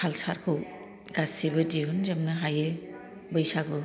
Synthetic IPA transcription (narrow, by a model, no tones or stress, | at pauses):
alsaɾkʰɯw | ɡasibɯdiɦunzemnɯɦajɯ | bɯjsaɡɯ